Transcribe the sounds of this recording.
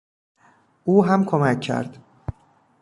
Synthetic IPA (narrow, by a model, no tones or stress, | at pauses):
ʔuːɦæmkʰomæcʰːæ̰ɾd̪̥